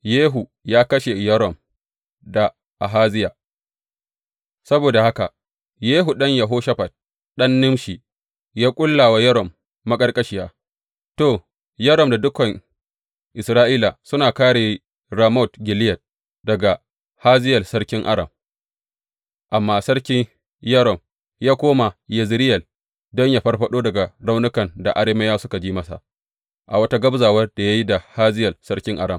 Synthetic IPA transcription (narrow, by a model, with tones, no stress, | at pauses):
jeː˦ɦu˨ | jaː˦kɐ˦ʃe˨jɐ˦ɾɔ˨m | da˨ | ʔa˨ɦaː˦zɪ˦jaː˨ | sɐ˦boː˨da˨ha˦ka̰˨ | jeː˦ɦu˨ɗɐ˦ɲjɐ˨ɦoː˦ʃɐ˦ɸa˨t̚ | ɗɐ˦nːʊ˦mʃi˨ | jaː˦kʷʼʊ˦lːaː˨wa˦jɐ˦ɾɔ˨mː | a˦kʼɐ˦rkʼɐ˦ʃi˦jaː˦ | toː˨ | jɐ˦ɾɔ˨mda˨dʊ˦kɐ˨ŋ | ʔɪ˨sɾaː˦ʔiː˦la˨sʊ˦naː˨kaː˦ɽeː˨ | ɾa˨mɔ˦˨tɡʲɪ˨lɪ˦jɐ˨t̚ | dɐ˨ɡa˨ | haː˦zɪ˦jɐ˨sɐ˦ɽkʲɪ˦ŋʔa̰˦ɽɐ˨m | ʔa˨mːaː˦sɐ˦ɽkʲɪ˦ɲ | jɐ˦ɾɔ˨m | jaː˦kʷoː˦ma˨jɐ˨zɾɪ˦jɐ˨l | dɔ˦ɲja˨ɸɐ˦rɸɐ˦ɗoː˦dɐ˨ɡa˨ɾa˦wnʊ˦kɐ˨nda˨ʔa˦ɽeː˦mɐ˦jaː˦sʊ˦ka˨d͡ʒiː˦mɐ˦sa̰˨ʔ | ʔa̰˨wɐ˦ta˦ɡɐ˦bzaː˨wɐ˦rda˨ja˦ji˦da˨haː˦zɪ˦jɐ˨lsɐ˦ɽkʲɪ˦ŋʔa̰˨ɽɐ˨m